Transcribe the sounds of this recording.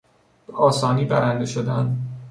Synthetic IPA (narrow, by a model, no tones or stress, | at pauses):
b̥eɒːsɒːniːbæɾænd̪e̞ʃod̪ænd̪